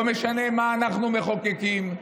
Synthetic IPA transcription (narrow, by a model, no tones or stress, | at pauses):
meʃanemaːnaχnumeχokekim